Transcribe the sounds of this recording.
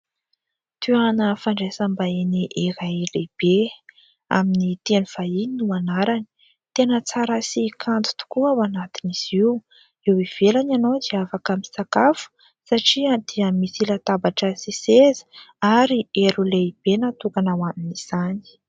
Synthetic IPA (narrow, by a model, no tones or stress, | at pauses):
t̪yanəfaɳɖ͡ʐesambainiʔiɾajleb̥e | a̰minit̪enuv̥aininumanaɾani̥ | t̪enət͡saɾasikʰant̪u̥t̪u̥kuawanat̪iniz̥iw | ewiv̥elananowd̪iafakamisakafu̥ | saʈ͡ʂiad̪̥iəmisilat̪abaʈ͡ʂəsisezə̥aɾieɾuleib̥enat̪ukanawaminiz̥ani̥